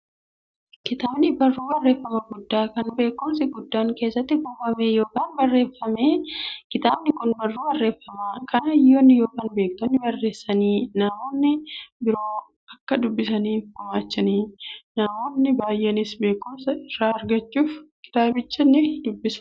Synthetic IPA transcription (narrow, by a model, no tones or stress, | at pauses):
kɪt̪aːbnɪbɐrːuːbɐrːe̞ːfːɐmɐɡʊd̪ːaːkɐnbe̞ːkːʊmsɪɡʊd̪ːaːŋke̞ːsːɐt̪ːɪɡoːbɐmeːjo̞ːkaːnbɐrːe̞ːfːɐmeːkɪt̪aːbnɪkʊnbɐrːuːbɐrːe̞ːfːɐmaːkʰɐnɐɪjoːnːɪjo̞ːkaːnbe̞ːk̚t̪ɔnːɪbɐrːe̞ːsːɐniːnaːmoːnːɪbɪɾo̞ː | ɐkːɐd̪ʊbːɪsɐniːfʊmaːt͡ʃːɐniːnaːmoːnːɪbaːjʔenɪsbe̞ːkːʊmsɐɪrːaːɐɾɡɐt͡ʃːuːfkɪ̥t̪aːbɪt͡ʃːɐnːɪd̪ʊbːɪs